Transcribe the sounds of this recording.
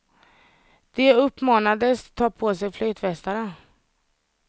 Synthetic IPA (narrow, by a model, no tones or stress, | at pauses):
d̪̥ɛɵpːmɑːnad̪əst̪ʰːɑːpʰoːsɛjflyːt̪vɛst̪aɾə